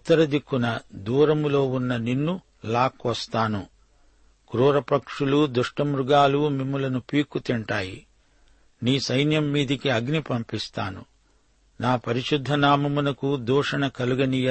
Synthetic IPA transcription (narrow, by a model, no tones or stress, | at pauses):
ut̪ːɐɾɐd̪ikːunɐd̪uːɾɐmulo̞ːunːɐninːu | laːkʋɐst̪aːnu | kɾuːɾɐpɐkʂulud̪uʂʈɐmɾuɡaːlumimːulɐnupiːkːut̪iɳʈaːjḭ | niːsɐjnjɐmːiːd̪ikiɐɡnipɐmpist̪aːnṵ | naːpɐɾiʃud̪ʱːɐnaːmɐmunɐkud̪uːʂɐnɐkɐluɡɐniːjɐ